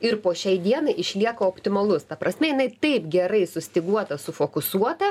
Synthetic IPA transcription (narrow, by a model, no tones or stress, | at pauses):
ɪrpoːʃʲɛɪd̪ʲiɛnɐɪʔɪʃʲlʲiɛkɐoːpʲt̪ʲɪmɐlˠʊst̪ɐpɾɐsʲmʲɛjɪnɐɪt̪ɐɪpɡʲɛɾɐɪsʊsʲt̪ʲɪɡuɔt̪ɐsʊfoːkʊsuɔt̪ɐ